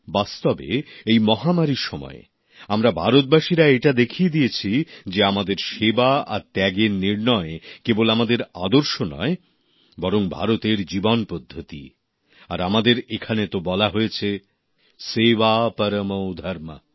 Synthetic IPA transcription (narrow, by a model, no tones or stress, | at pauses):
bast̪obḛejmɔɦamaɾiʃɔmɔ̰e | amɾabʱaɾot̪̚baʃiɾaeʈad̪ekʰied̪ijet͡ɕʰid͡ʑeamad̪eɾʃebaa̰ɾt̪ɛɡeɾniɾnɔekebolamad̪eɾa̰d̪oɾʃonɔ̰e | bɔɾoŋbʱa̰ɾot̪eɾd͡ʑibonpod̪ʱːot̪ḭ | aɾamad̪eɾekʰanet̪obɔlaɦojet͡ɕʰe | sebapəɾəmowd̪ʱaɾma̰